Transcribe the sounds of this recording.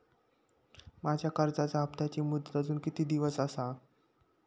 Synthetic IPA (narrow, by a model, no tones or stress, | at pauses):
mad͡ʑʱjakəɾd͡zat͡saəpt̪at͡ɕiːmud̪t̪əd͡zuːnkit̪iːd̪iʋəsəsa